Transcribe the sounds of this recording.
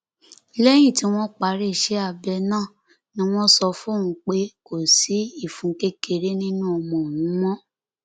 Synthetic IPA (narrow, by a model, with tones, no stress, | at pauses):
lɛ˦j̃ĩ˦˨ti˨˦w̃ɔ̃˦k͡pa˨ɾe˦˨ʃɛ˨˦a˦˨bɛ˧nãː˦˨ | nĩ˦w̃ɔ̃˦sɔ˧fũ˦˨ũ˧˦k͡pe˦ko˨si˨˦i˦˨fũ˨˦ke˦ke˧ɾe˦nĩ˦nũ˦ɔ˧mɔ̃˨o˨nũ˨˦w̃ɔ̃˦